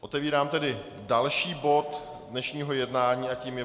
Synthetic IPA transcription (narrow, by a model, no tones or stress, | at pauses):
ʔo̞t̪ɛviːɾaːmt̪ɛdɪ | dalʃiːbo̞t̪ | dnɛʃɲiːɦo̞jɛdnaːɲiːʔaciːmjɛ